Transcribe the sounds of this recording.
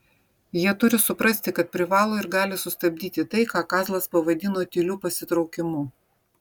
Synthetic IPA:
jiɛt̪ʊɾʲɪsʊpɾɐsʲt̪ʲɪkɐt̪̚pʲɾʲɪʋɑːlˠoːɪɾɡɑːlʲɪsʊst̪ɐbʲd̪ʲiːt̪ʲɪt̪ɐɪkɑːkɑːzlˠɐspɐʋɐd̪ʲɪnoːt̪ʲɪlʲuːpɐsʲɪt̪ɾɒʊkʲɪmʊ

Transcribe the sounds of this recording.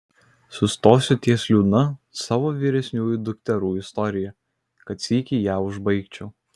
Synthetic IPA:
sʊst̪oːsʲʊt̪ʲiɛsʲlʲuːd̪nɐsɑːʋoːʋʲiːɾʲɛsʲnʲuːjʊd̪ʊkʲt̪ʲɛɾuːɪst̪ɔɾʲɪjɛ | kɐt̪sʲiːkʲiːjæːʊʒbɐɪkt͡ʃʲɛʊ

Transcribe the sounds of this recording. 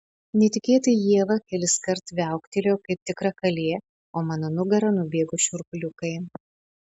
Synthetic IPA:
nʲɛt̪ʲɪkʲeːt̪ɐjiɛʋɐkʲɛlʲɪskɐɾt̪ʋʲæˑʊkt̪ʲelʲoːkɐɪp̚t̪ʲɪkɾɐkɐlʲeː | oːmɐnɐnʊɡɐɾɐnʊbʲeːɡʊʃʲʊɾkʊlʲʊkɐɪ

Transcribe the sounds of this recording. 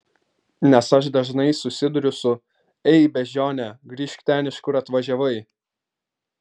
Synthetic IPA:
nʲɛsɐʃd̪ɐʒnɐɪsʊsʲɪd̪ʊɾʲʊsʊ | ɛɪbʲɛʒʲoːnʲɛɡɾʲiːʃʲkʲt̪ʲæːnʲɪʃkʊɾɐt̪ʋɐʒʲɛʋɐɪ

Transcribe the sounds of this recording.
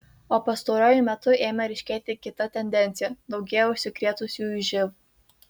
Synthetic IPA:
oːpɐst̪oɾoːjʊmʲɛt̪ʊeːmʲɐɾʲɪʃʲkʲeːt̪ʲɪkʲɪt̪ɐt̪ʲɛnʲd̪ʲɛnʲt̪sʲɪjɛd̪ɒʊɡʲɛjɛʊʃʲsʲɪkɾʲeːt̪ʊsʲuʒʲɪʋu

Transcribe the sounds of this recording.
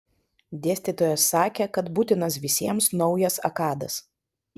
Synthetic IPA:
d̪ʲeɛsʲt̪ʲit̪oːjɛsːɑːkʲekɐt̪but̪ʲɪnɐsʋʲɪsʲiɛmsnɒʊjɛsɐ̰kɑːd̪ɐs

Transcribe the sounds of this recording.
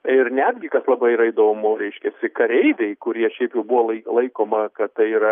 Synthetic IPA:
ɪrnʲæd̪ʲɡʲɪkɐslˠɐbɐɪiːɾɐɪd̪oːmʊɾʲɛɪʃʲkʲɛsʲɪkɐɾʲɛɪd̪ʲɛɪkʊɾʲiɛʃʲɛɪpjɛʊbʊʋoːlˠɐɪlˠɐɪkoːmɐkɐtt̪ɐɪiːɾɐ

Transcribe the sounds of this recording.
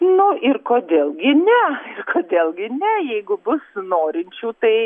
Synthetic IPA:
nʊɪrkoːd̪ʲeːlˠɡʲɪnʲɛɪrkoːd̪ʲeːlˠɡʲɪnʲɛjɛɪɡʊbʊsnoːɾʲɪnʲt͡ʃʲuːt̪ɐɪ

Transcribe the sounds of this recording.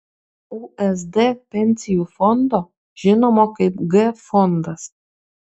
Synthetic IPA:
uʔɛs̬d̪ɛpɛnʲsʲijufɔnd̪ɔ | ʒ̥ɪnɔmɔkɐjpɡɛfɔnd̪as

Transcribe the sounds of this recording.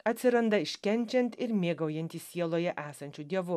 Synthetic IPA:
ɐt̪ʲsʲɪɾɐnd̪ɐɪʃʲkʲɛnʲˑt͡ʃʲɛnʲt̪ɪɾmʲeːɡɐʊjɛnʲt̪ʲiːsʲiɛlˠoːjɛʔæːsɐnʲt͡ʃʲud̪ʲiɛʋʊ

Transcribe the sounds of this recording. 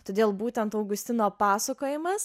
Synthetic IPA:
t̪oːd̪ʲeːlˠbuːt̪ʲɛnt̪ɐʊɡʊsʲt̪ʲɪnoːpɑːsɐkoːjɪmɐs

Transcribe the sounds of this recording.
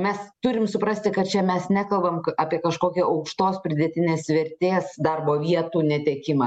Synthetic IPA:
mʲɛst̪ʊɾʲɪmsʊpɾɐsʲt̪ʲɪkɐt̪̚t͡ʃʲɛmʲɛsnʲækɐlˠbɐmɐːpʲiɛkɐʃkoːkʲɛːʔɐʊkʃt̪oːspʲɾʲɪd̪ʲɛt̪ʲɪnʲeːsʋʲɛɾʲt̪ʲeːsd̪ɐrboːʋʲiɛt̪uːnʲɛt̪ʲɛːkʲɪmɐ

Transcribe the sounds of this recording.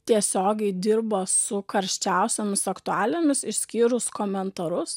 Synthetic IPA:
t̪ʲiɛsʲoːɡʲɛɪd̪ʲɪɾbosʊkɐɾʲʃʲt͡ʃʲæˑʊsʲoːmʲɪsɐkt̪ʊæːlʲemʲɪsɪʃsʲkʲiːɾʊskoːmʲɛnt̪ɐɾʊs

